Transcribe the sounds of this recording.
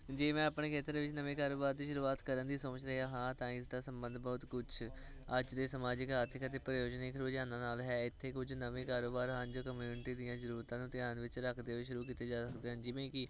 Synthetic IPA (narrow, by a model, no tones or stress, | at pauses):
d͡ʒeːmɛ̃ːəpɳeːkʰeːt̪əɾʋɪt͡ʃnəʋẽːkaːɾoːbaːɾd̪iːʃʊɾuːaːt̪kəɾənd̪iːsõːt͡ʃɾəɦeaːɦãːt̪ãːɪsd̪aːsəmbə̃nd̪bɔːt̪kʊt͡ʃʰ | əd͡ʒd̪eːsəmaːd͡ʒɪkaːɾt̪ʰɪkət̪eːpɾəjoːd͡ʒnɪkɾuːd͡ʒãːnãːnaːlɦɛːɪt̪ʰːeːkʊd͡ʒnəʋẽːkaːɾoːbaːɾɦãːd͡ʒoːkəmjuːnɪʈiːd̪ɪjãːzəɾuːɾt̪ãːnũːt̪ɪjaːnʋɪt͡ʃɾəkʰd̪eːoːʃʊɾuːkiːt̪eːd͡ʒaːsəkd̪eːɦə̃ːnd͡ʒɪʋẽːkɪ